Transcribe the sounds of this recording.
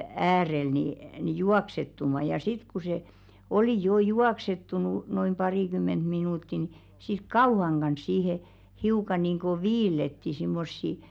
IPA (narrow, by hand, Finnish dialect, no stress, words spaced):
æːrel ni ni juɑksetːumɑ jɑ sit ku se oli joː juɑksetːunu noim pɑriˑkymːent minuˑtːi ni sit kɑuhɑŋ ɡ̊ɑns sihe hiukɑ niˑŋɡ̊o ʋiːlːetːi simːosːi